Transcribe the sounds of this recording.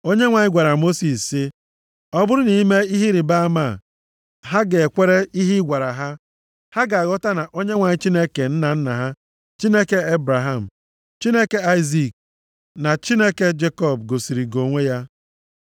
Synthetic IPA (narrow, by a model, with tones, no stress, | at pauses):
o˦ɲe˦ŋʷa˨ɲɪ˦ɡʷa˨ɾa˨mo˦si˨ssːi˦ | ɔ˦bʊ˦ɾʊ˦ni˨˦me˦i˦ɦi˦ɾi˨ba˦ma˦˨ | ɦa˦ɡe˨e˨kʷe˦ɾe˦i˦ɦi˦ɡʷa˨ɾa˨ɦa˦ | ha˦ɡa˨a˨ɣɔ˦ta˦na˨ʔo˦ɲe˦ŋʷa˨ɲɪ˦t͡ʃi˦ne˦ke˨n̩˦na˨n̩˦na˨ɦa˦ | t͡ʃi˦ne˦ke˦e˦bɾa˨ɦa˨m̩˨ | t͡ʃi˦ne˦ke˦a˦ɪ˦zi˨k̚ | na˨t͡ʃi˦ne˦ke˦d͡ʒe˦kɔ˦˨b̚ɡo˨si˨ɾi˨ɡo˨ŋʷe˦ja˦